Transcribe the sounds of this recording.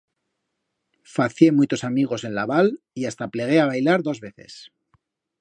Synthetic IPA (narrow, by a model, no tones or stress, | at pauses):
faθje̞mwujt̪o̞samiɣ̞o̞se̞nlaβal | iast̪aple̞ɣ̞e̞aβajlaɾðo̞zβe̞θe̞̰s